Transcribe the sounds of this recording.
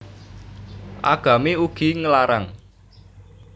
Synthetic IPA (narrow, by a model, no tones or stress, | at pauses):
ʔa̰ɡ̥ä̤meuɡ̥i̤ŋəlaɾa̰ŋ